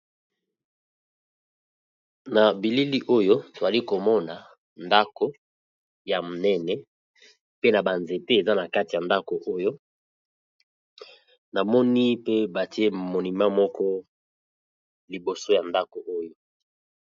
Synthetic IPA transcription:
na˨bi˨li˦li˦ʔo˦jo˦to˨za˨li˦ko˨mɔ˦na˨ | nda˦ko˦ | ja˨mo˨nɛ˦nɛ˦ | pe˦na˨ba˨nze˨te˦e˨za˦na˨ka˦ti˨ja˨nda˦ko˨ʔo˦jo˦ | na˨mɔ˦ni˦pe˦ba˨ti˦e˦mo˨ni˨ma˦mɔ˦kɔ˦ | li˨bo˨so˦ja˨nda˦ko˨ʔo˦jo˦

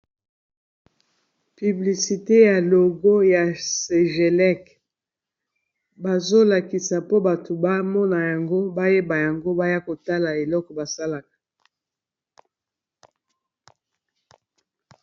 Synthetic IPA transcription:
py˨bli˨si˨te˦ja˨lo˨ɡo˦ja˨se˨ʒe˨lɛ˦k | ba˨zo˦la˨ki˨sa˨po˦ba˨to˨ba˦mɔ˦na˨ja˨ŋɡo˦ba˦je˦ba˨ja˨ŋɡo˦ba˦ja˦ko˨ta˦la˨e˨lɔ˦kɔ˨ba˨sa˦la˨kḁ˨

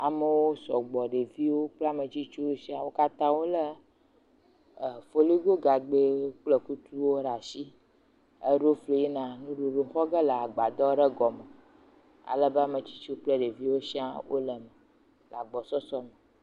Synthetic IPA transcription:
a˨mə˨wo˦sɔ˨ɡ͡bɔ˨ɖe˨vi˦wo˦k͡ple˦a˦˨me˨t͡ɕi˦t͡ʃu˦wo˦si˦a˦wo˦ka˦t̪ã˦wo˦lə˦˨ | fo˦li˦ɡo˦ɡa˨ɡ͡be˦k͡plə˨ku˦t̪u˦wo˦ɖa˨si˦ | ə˦ɖo˦fle˨je˦nã˨nũ˦ɖo˨ɖo˨xɔ˦ɡə˦lə˨a˨ɡ͡ba˨d̪ɔ˦ɖə˦ɡɔ˨mə˨ | a̰˨lə˦be˦a˦˨mə̃˨t͡ɕi̥˦t͡ʃu˦k͡plə˦ɖe˨vi˦wo˦si˦a˦wo̰˦lə˨mə˨ | la˨ɡ͡bɔ˨sɔ˦sɔ˦mã˨

